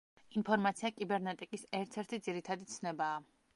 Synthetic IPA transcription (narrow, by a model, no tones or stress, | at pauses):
inpʰɔɾmat̪sʰiakʼibɛɾnɛt̪ʼikʼisɛɾt̪ʰɛɾt̪ʰid̪ziɾit̪ʰad̪it̪sʰnɛbaː